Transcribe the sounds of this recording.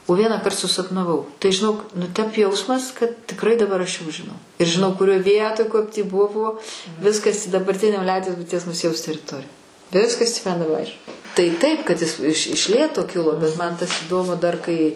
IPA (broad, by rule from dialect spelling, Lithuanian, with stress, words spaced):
oː ˈʋʲiɛnɑːkɐrt sʊsɐpnɐˈʋɐʊ tɐɪ ʒʲɪˈnoːk nʊ ˈtʲɛp ˈjɛʊsmɐs kɐt tʲɪkˈrɐɪ dɐˈbɐr ɐʃ jɛʊ ʒʲɪˈnɐʊ ɪr ʒʲɪˈnɐʊ kʊˈrʲoːj ˈʋʲiɛtoːj ˈkɐp tʲiː ˈbʊʋoː ˈʋʲɪskɐs dɐbɐrʲˈtʲɪnʲoː ˈlʲɛʊdʲiɛs bʊɪˈtʲiɛs mʊˈzʲiɛjɛʊs tʲɛrʲɪˈtoːrʲɪ ˈʋʲɪskɐs tʲiː mɐn dɐˈbɐ ˈɐɪʃ tɐɪ ˈtɐɪp kɐt ˈɪs ɪʃ ɪʃ ˈlʲeːtoː ˈkʲɪlˠoː bʲɛt ˈmɐn tɐs iːˈdoːmʊ dɐr ˈkɐɪ